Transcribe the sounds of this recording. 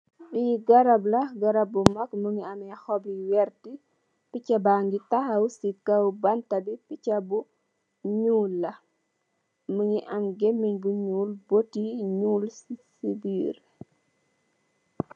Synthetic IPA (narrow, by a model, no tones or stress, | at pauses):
ɗiɡɐɾɐblɐɡɐɾɐbːumɐkməŋiɐmɛxɔbliwɛɾti | picɐbaŋɡitɐhɐwsikɐwbɐntɐbipicɐbu | ɲuːlːɐ | məŋiʔɐmɡemːiɲbuɲuːlbotiɲuːlssibiːr